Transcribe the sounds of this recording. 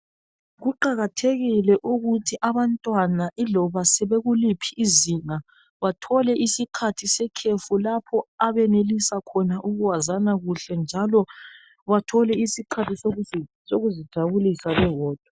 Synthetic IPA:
ɣuǃaɣatʰeɣilɛʔuɣutʰiʔaβantʼwanaʔilɔβasɛβeɣulipʰiːziŋa | βatʰɔlɛʔisikʰatʰisɛkʰefulapʰɔaβɛnelisakʰɔnaʔuɣuwazanaɣuɬɛnd͡ʒʱalɔ | βatʰɔlɛisikʰatʰiso | soɣuzid̥ʱaβulisaβɛwɔːd̥ʱwɔ

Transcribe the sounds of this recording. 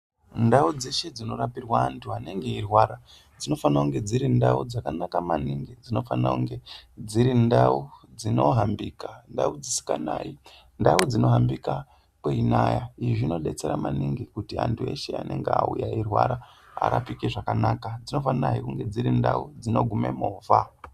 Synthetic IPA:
ndaud͡zeʃe̞d͡zino̞rapirwaːntʰuane̞ŋɡe̞irwaɾa | d͡zino̞fanakuŋɡe̞d͡ziɾindaud͡zakanakamaniŋɡid͡zino̞fana̰kuŋɡed͡ziɾindaud͡zino̞ɦambikandaud͡zisi̥kanai | ndaud͡zino̞ɦambika | kweinajaiʐino̞ɗe̞t͡se̞ɾamaniŋɡikutia̰ntʰue̞̰ʃe̞a̰ne̞ŋɡea̰ujairwa̰ɾa | a̰ɾa̰pikeʐakanakad͡zino̞fanaikuŋɡe̞d͡ziɾindaud͡zino̞ɡʱume̞̰moːvʱa

